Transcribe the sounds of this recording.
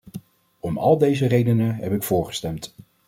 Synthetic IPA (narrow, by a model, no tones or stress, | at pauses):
ɔmɑ̰lˠdejzərejdənəɦɛpɪkfʊːɹχə̥stɛmt